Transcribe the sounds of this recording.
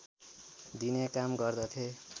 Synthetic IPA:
d̪inekamɡʌrd̪ʌt̪ʰe

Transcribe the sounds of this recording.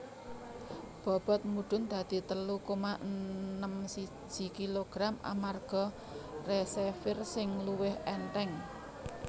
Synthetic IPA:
b̥ɔ̤b̥ɔ̤t̪̚muɖ̥ʊ̤nd̪̥ä̤d̪̥i̤t̪əlukomaʔənəmsi̥d͡ʒ̥i̤kiloɡ̥ɾamʔa̰marɡ̥ɔ̤ | resefɪrsɪŋluwɪhɛnʈ̪ɛŋ

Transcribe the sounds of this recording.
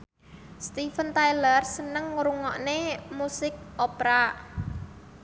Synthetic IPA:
st̪ifənt̪ajlərsənəŋːɾuŋɔʔnemusɪk̚ʔopɾa

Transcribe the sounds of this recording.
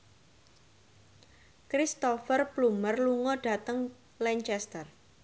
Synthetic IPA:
kɾist̪ɔfərplumərluŋɔɖ̥a̤t̪əŋ | lɛɲt͡ʃɛst̪ər

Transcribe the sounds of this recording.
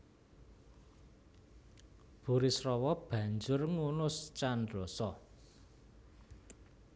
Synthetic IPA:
b̥ṳɾisrɔwɔb̥ä̤ɲd͡ʒʊrŋunʊst͡ʃandrɔsɔ

